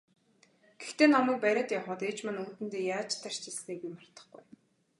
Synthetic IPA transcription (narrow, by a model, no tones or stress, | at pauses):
ɡ̥ext̪eːnamiːk̚pæɾʲaːt̪jaχəːt̪eːt͡ɕmănuːt̪ɘ̆nt̪eːjaːt͡ɕt̪ʰar̥t͡ɕisneːɣujmar̥t̪ə̥̆χɡṵj